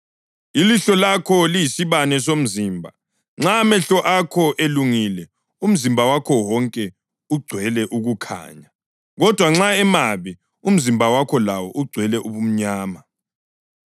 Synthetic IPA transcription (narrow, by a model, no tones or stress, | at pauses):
iliɬɔlakʰɔliisiβanɛs̬om̩ziːmbʱa̰ | ŋ͡ǁamɛɬɔʔakʰɔʔeluŋilɛ | um̩zimbʱawakʰɔwɔŋkʼɛ | uɡ͡ǀʱwɛlɛʔuɣukʰa̰ːɲa | ɣɔd̥ʱwaŋ͡ǁaɛmaβi | um̩zimbʱawakʰɔlawɔʔuɡ͡ǀʱwɛlɛʔuβum̩ɲaːma